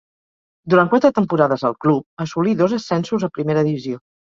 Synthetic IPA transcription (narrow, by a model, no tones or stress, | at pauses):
d̪uɾankwat̪ɾət̪əmpuɾaðəzə̰lˠklup̚əsuliðozəsɛnsuzəpɾimeɾəðiβizio